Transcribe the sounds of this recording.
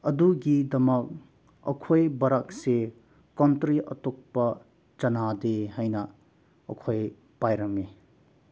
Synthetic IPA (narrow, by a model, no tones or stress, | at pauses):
ɐduɡidɐmɐk̚ | ɐ̰kʰojbɐɾɐk̚se | kɔntɾiʔɐ̰tok̚pɐ | t͡ʃɐnadeɦajnɐː | kʰoj | pajɾɐme